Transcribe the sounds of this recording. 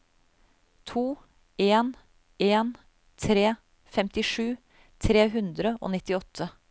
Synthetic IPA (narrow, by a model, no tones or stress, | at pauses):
t̪ʰuː | eːn | eːn | t̪ʰɾeː | fɛmt̪ɪʂʉː | t̪ʰɾeːɦʉnd̪ɾəʔo̰ːnɪt̪ɪɔt̪ʰːə